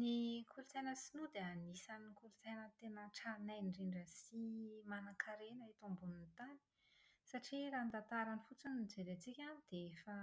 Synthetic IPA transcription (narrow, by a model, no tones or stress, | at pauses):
nikʰulut͡sajnəsinud̪eanisankulut͡sajnət̪enəʈ͡ʂaɾnajnriɳɖ͡ʐasimanakʰaɾenəit̪umbunint̪ani̥ | saʈ͡ʂiɾaːnt̪at̪aɾanifut͡sunind͡zeɾet͡sikʲanid̪̥eefa